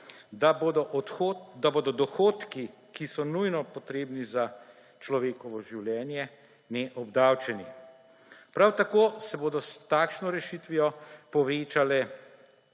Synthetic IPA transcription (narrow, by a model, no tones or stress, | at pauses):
d̪abod̪ɔod̪aboːd̪ɔd̪ɔxoːt̪ki | kisɔnujnɔpɔt̪ɾeːbniza | t͡ʃlɔʋeːkɔʋɔʒiwljɛːnjɛ | nɛʔɔbd̪awt͡ʃɛni | pɾawt̪akoːsɛboːd̪ɔst̪aːkʃnɔɾɛʃit̪ʋijɔpɔʋeːt͡ʃalɛ